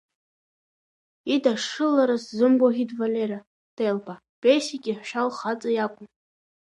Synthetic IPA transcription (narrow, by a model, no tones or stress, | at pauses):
idaʂɨlːaɾaszɨmboɣʲidvalʲeɾa | d̥ejlbʼa | pʼejsikʲʼiħʃᶣalχat͡sʼajakʷʼʊm